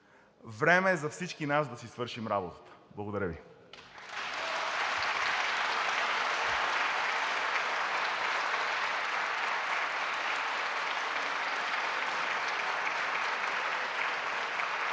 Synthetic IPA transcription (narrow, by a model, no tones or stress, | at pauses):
vɾɛmɛːzɐfsit͡ʃkinasd̪ɐsisvɤɾʃimɾabot̪ə̥t̪ə̥blˠɡod̪ɐɾəvḭ